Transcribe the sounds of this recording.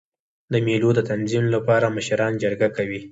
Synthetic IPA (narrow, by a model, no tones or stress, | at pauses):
d̪əmelod̪ət̪anzimlapɑɾaməʃɾɑnd͡ʒaɾɡakawi